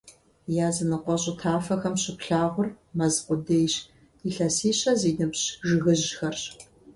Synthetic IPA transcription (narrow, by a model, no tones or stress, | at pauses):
jaːzɨnɨqʷɔɕʼɪtʰaːfɐxɐmɕɪpɬaːʁʷʊr | mɐzqʷʊdeːjɕ | iɬɐsiːɕɐziːnɨpɕʒɨɣɨʑxɐrɕ